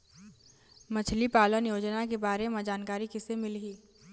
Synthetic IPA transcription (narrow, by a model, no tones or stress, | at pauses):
mɐt͡ʃʰlipaːlənjoːd͡ʒnakebaːɾemẽd͡ʒaːnkaːɾikɪsemɪlɦiː